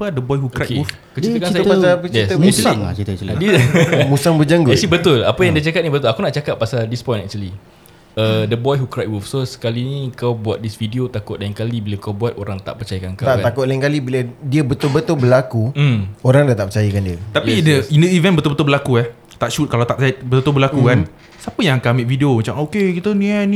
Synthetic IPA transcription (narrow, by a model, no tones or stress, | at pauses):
padəbɔjhukakeuf | kət͡ʃiiəkansapasat͡ʃjɛist̪əsŋt͡ʃit̪ədiəmusaŋbəd͡ʒaŋɡʊɛsibət̪ʊla̰pajaŋdiət͡ʃakat̪̚nibət̪ʊlakunaʔt͡ʃakap̚ːasaldispɔ̃jnɛk̚t͡ʃuəli | ədəbɔjɦukɾat̚wufsosə̥kalinĩkawbuat̪̚disfidiot̪akʊt̪̚laiŋkalibilakawbuat̪oɾaŋt̪a̰ʔpərt͡ʃajakankt̪aʔ̪akʊt̪̚laiŋkalibiladiəbət̪ʊlbət̪ʊlbəlakuoɾaŋdat̪aʔpərt͡ʃajakandiət̪apiindəindəivɛ̃nbət̪ʊlbət̪ʊlbəlakuɛh | t̪aʔʃut̪̚kalat̪aʔt̪bət̪t̪ʊlbəlakukan | sapəjaŋkamek̚fideomat͡ʃamokekit̪əniɛnĩ